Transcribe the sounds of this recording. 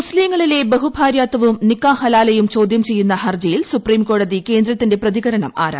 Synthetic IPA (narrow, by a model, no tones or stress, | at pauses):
usliːŋːɐɭile̞bɐɦubʱaːɾjaːt̪ːɐʋumnikːaːhɐlaːlɐjumt͡ɕo̞ːd̪ʱjɐmt͡ɕe̞jːunːɐhɐrd͡ʑɐjilsupriːmko̞ːɽɐðike̞ːnd̪ɾɐt̪ːinde̞prɐðiɣɐɾɐɳɐma̰ːɾa̰ː